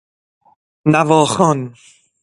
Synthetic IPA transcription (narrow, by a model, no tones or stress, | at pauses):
navɔːxɔn